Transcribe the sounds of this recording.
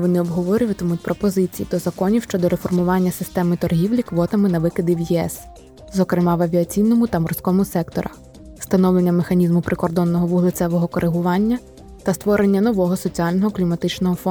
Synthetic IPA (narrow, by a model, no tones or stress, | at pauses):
ʋɔnɪɔbɦɔʋɔɾʲʊjʊt̪ɔmutʲpɾɔpɔzɪt͡sʲijḭd̪ɔzɐkɔnʲiwʃt͡ʃɔd̪ɔɾefɔrmʊʋɑnʲːɐsɪst̪ɛmɪt̪ɔrɦʲiwlʲikʋɔt̪ɐmɪnɐʋɪkɪd̪ʲiwjiɛ̰s | zɔkɾɪmɑʋɐʋʲiɐt͡sʲijnɔmʊt̪ɐmɔrsʲkɔmʊsɛkt̪ɔ̰ɾʔɐ | st̪ɐnɔwlenʲːɐmexɐnʲizmʊpɾɪkɔrd̪ɔnːɔɦɔʋʊɦlˠɪt̪sɛʋɔɦɔkɔɾʔɪɦʊʋɑnʲːɐ | t̪ɐst̪ʋɔɾenʲːɐnɔʋɔɦɔsɔt͡sʲiɑlʲnɔɦɔklʲimɐt̪ɪt͡ʃnɔɦɔfɔ